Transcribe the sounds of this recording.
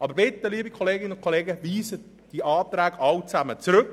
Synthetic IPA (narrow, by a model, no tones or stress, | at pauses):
ʔɑːbəɾbɪtːəliːbikʰoleːɡɪnəʊnt̚kʰoleːɡəviːzə | d̥iʔɑːt̪ɾɛːɡɑwt͡sæmət͡sɾʏk